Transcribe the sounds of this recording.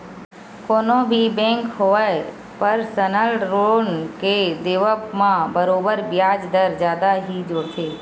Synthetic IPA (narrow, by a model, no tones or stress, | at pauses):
koːnobʱibɛ̃ːŋkɦoʋə | pəɾsənəlʈɾoːɳked̪eːʋəpmãbəɾoːbəɾbjaːd͡ʒd̪əɾd͡ʒjaːd̪aɦid͡ʒoːɽt͡ʃʰeː